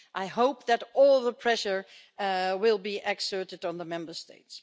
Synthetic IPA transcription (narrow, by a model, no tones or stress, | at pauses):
ʔaɪɦoʊp̚ðɨɾɔlˠðəpʰɹ̥ɛʃə˞ | wɪlˠbiʔɛksɜ˞ɾɨɾn̩ðəmɛ̃mbə˞stḛɪts